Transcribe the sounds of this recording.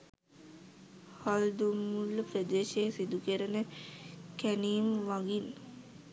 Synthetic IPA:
hald̪umːulːəpɾəd̪eːʃejsid̪ukəɾənəkæniːmʋaɡin

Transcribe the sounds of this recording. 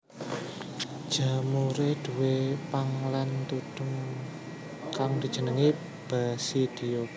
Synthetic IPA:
d̥ʒ̥a̤muɾed̪̥ṳwepaŋlant̪ud̪̥ə̤ŋ | kaŋd̪̥i̤d̥ʒ̥ə̤nəŋi | b̥a̤sid̪̥ijo

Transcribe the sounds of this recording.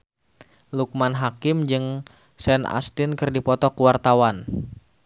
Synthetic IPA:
luk̚manɦakɪmd͡ʒɨŋ | sɛna̰st̪ɪnkɨrdipɔt̪ɔkuwart̪awan

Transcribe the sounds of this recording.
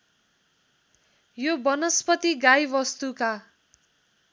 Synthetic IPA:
jobʌnʌspʌt̪iɡajbʌst̪uka

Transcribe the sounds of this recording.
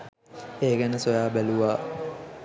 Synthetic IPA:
eːɡɛnəsojaːbæluʋaː

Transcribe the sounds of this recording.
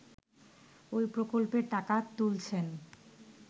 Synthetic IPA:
ojpɾokolpeɾʈakat̪ult͡ɕʰen

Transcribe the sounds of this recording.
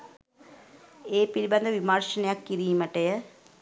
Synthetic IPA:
eːpiɾiband̪əʋimarʂənejakːiɾiːməʈəjə

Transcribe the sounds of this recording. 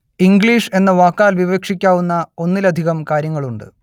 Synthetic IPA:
iŋɡɭiːʂe̞nːɐʋaːkːaːlʋiʋeːkʂikʲːaːʋunːɐo̞nːilɐd̪ʱiɣɐmkaːɾjɐŋːɐɭuɳɖɨ̰

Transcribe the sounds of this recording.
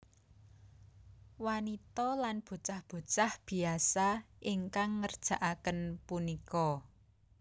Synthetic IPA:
wanit̪ɔlanb̥o̤t͡ʃahb̥o̤t͡ʃahb̥i̤asaʔɪŋkaŋːərd̥ʒ̥ä̤ʔakənpunikɔ

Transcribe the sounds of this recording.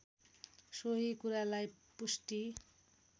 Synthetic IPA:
soɦikuɾalaj | pusʈi

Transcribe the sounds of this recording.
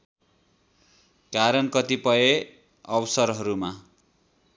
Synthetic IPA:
kaɾʌnkʌt̪ipʌe | ʌbʌsʌrɦʌɾuma

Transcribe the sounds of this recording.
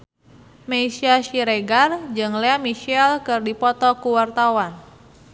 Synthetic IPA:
meisiaʃiɾeɡard͡ʒɨŋlɛamiʃɛlkɨrdipɔt̪ɔkuwart̪awan

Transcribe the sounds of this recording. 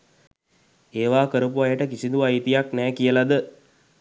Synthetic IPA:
eːʋaːkəɾəp̬uajəʈəkisind̪uʋait̪ijaknɛːkijəlad̪ə

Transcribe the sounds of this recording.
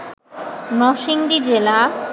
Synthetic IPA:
nɔʃiŋɖid͡ʑela

